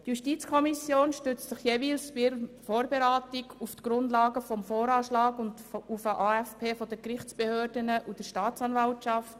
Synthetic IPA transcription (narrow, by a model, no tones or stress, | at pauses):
tjuʃtit͡skʰɔmisjoːnʃtʏt͡stsɪχjeːviːlsbɾfoːɾbeɾaːtiɡuftɡ̥ɾʊnd̪lɑːɡəfɔmfoːɾɑːʃlɑːɡʊndufəʔɑːɛfpʰeːfɔdəkɾɪχt͡sb̥ehøːɾdənəʔud̥əɾʃtɑːt͡sɑnvɑltʃɑft